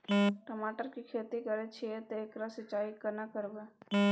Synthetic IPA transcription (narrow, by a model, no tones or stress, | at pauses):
ʈəmaːʈəɾkikʰeːt̪ikəɾet͡ʃʰiet̪eːkɾasɪt͡ʃaːikɐnakəɾbe